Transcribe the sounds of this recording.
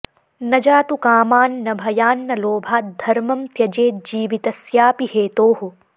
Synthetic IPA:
nɐd͡ʒaːt̪ukaːmaːnːɐbʱɐjaːnːɐloːbʱaːt̪̚d̪ʱɐɾmɐmt̪jɐd͡ʒeːt̪̚d͡ʒiːʋit̪ɐsjaːpiɦeːt̪oːɦu

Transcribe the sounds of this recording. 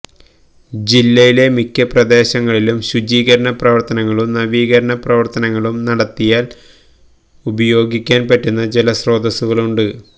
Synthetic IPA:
d͡ʑilːɐjile̞mikʲːɐprɐd̪e̞ːɕɐŋːɐɭilumɕud͡ʑiːɣɐɾɐɳɐprɐʋɐrt̪ɐnɐŋːɐɭumnɐʋiːɣɐɾɐɳɐprɐʋɐrt̪ɐnɐŋːɐɭumnɐɽɐt̪ːijaːl | ubɐjo̞ːɡikʲːaːnpɐtːunːɐd͡ʑelɐsro̞ːd̪ɐsuɣɐɭuɳɖɨ

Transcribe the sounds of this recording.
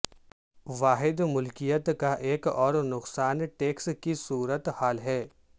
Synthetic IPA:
ʋaːɦɪd̪mʊlkijət̪kaʔeːkɔːɾnʊqsaːnʈeːkskisuːɾət̪haːlɦɛː

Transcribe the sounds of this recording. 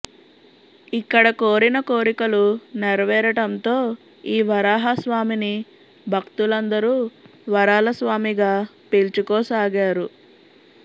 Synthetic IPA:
ikːɐɽɐkoːɾinɐkoːɾikɐluneɾɐʋɛːɾɐʈɐnt̪o̞ː | iːʋɐɾaːɦɐsʋaːmini | bʱɐkt̪ulɐnd̪ɐɾuːʋɐɾaːlɐsʋaːmiɡaː | pelt͡ʃukɔːsaːɡaːɾu

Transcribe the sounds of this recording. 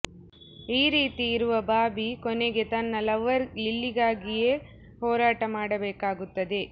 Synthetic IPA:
iːɾiːt̪iːɾuʋɐbaːbikɔneɡe̞t̪ɐnːɐlɐʋɐɾlilːiɡaːɡije̞ː | hɔːɾaːʈɐmaːɽɐbeːkaːɡut̪ːɐd̪e̞

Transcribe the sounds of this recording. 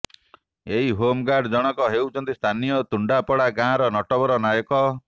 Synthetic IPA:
eɦiɦomɡaɾɖd͡ʒɔɽ̃ɔkɔɦewt͡ʃʰɔnt̪ist̪ʰanijɔt̪uɳɖapɔɽaɡãɾɔnɔʈɔbɔɾɔnajɔkɔ

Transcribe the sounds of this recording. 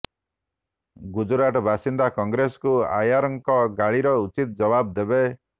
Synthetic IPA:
ɡud͡ʒuɾaʈɔbʱasind̪akɔŋɡɾesɔ̥kua̰jaɾɔŋkɔɡaɭiɾɔut͡ʃit̪̚ɔd͡ʒɔbab̚d̪ebe

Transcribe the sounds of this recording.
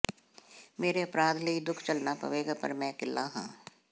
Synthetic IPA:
meːɾeɐpɾaːd̪ləid̪ʊkʰt͡ʃɐlnapɐ̰ʋeːɡpɐ̰ɾmɛ̃ːkɪlːaɦã̰ː

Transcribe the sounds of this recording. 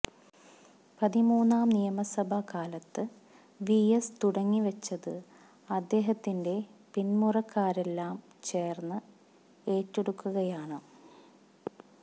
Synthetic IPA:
pɐðimuːnːaːmnijɐmɐsɐbʱɐkaːlɐt̪ːɨ | ʋijest̪uɽɐŋːiʋɐt͡ɕːɐðɨ | ɐd̪ːe̞ːɦɐt̪ːinde̞pinmurɐkːaːɾe̞lːaːm | t͡ɕe̞ːrnːɨ | e̞ːtːeɽukːuɣɐjaːɳɨ

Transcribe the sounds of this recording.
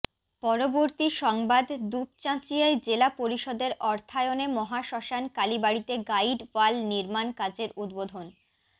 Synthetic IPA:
pɔɾoboɾt̪iʃɔŋbad̪d̪up̚t͡ɕãt͡ɕiaed͡ʑelapoɾiʃɔd̪eɾɔɾt̪ʰaeonemɔɦaʃɔʃankalibaɽit̪eɡaiɖwalniɾmankad͡ʑeɾud̪bod̪ʱon

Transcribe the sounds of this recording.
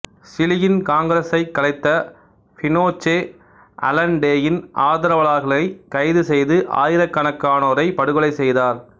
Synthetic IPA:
sɪlɪjɪnkaːŋɡɾɐsɐɪkːɐlɐɪt̪ːɐ | fɪnoːt͡ʃːeː | ʔɐ̰lɐɳɖeːjɪnʔaːðɐɾɐʋɐɭaːɣɐɭɐɪkɐɪðɯsɛjðɯʔa̰ːjɪɾɐkːɐɳɐkːaːnoːɾɐɪpɐɽɯɣɯɭɐɪsɛjðaːɾ

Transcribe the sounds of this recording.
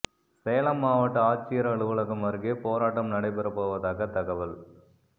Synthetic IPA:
sɛjɐlɐmːaːʋɐʈːɐaːt͡ʃːɪjɐɾɐɐɭɯʋɐɭɐɣɯmʋɐɾɣeːpoːɾaːʈːɐmnɐɽɐɪpɛɾɐpːoːʋɐðaːɣɐt̪ɐɣɐʋɐl

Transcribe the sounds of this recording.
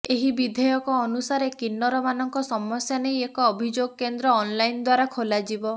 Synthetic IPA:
eɦibid̪ʱejɔkɔːnusaɾekinːɔɾɔmanɔŋkɔsɔmɔsjanejekɔːbʱid͡ʒoɡɔkend̪ɾɔːnlajnd̪waɾakʰolad͡ʒibɔ

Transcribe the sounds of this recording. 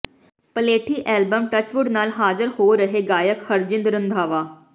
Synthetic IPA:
pəleːʈʰiːʔɛːlbəmʈət͡ʃʋʊɖnaːlɦaːzəɾhoːɾəɦeːɡaːjəkhəɾd͡ʒɪ̃nd̪ɾənd̪ʱaːʋaː

